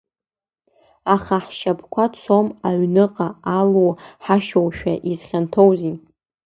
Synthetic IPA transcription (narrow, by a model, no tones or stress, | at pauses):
aχaħʃapʰkʷʰat͡sʷʰomaɥnɨqʼaalowħaʃowʃᶣaʔizχʲantʰowzin